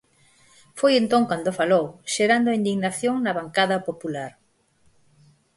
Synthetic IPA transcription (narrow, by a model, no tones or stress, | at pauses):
fojent̪õŋkand̪ofalowʃeɾand̪ʊind̪iɣnaθjoŋnɐβaŋkaðɐpopulaɾ